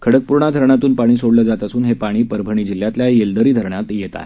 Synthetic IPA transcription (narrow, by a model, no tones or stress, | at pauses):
kʰəɽək̚puɾɳad̪ʱəɾɳat̪uːnpaɽ̃iːsoɽləd͡zat̪əsuːnɦepaɽ̃iːpəɾbʱəɳ̃iːd͡ʑilːjat̪ljajeld̪əɾiːd̪ʱəɾɳjat̪jet̪a̰e